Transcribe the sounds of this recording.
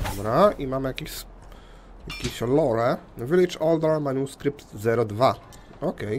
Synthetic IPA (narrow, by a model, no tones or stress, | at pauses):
d̪ɔbɾaʔimamɘjakʲeɕs | jakʲeɕɔlɔɾɛvɘlʲit͡ʂɔld̪aɾmaɲʲuskɾipt̪zɛɾɔd̪va | ɔkɛj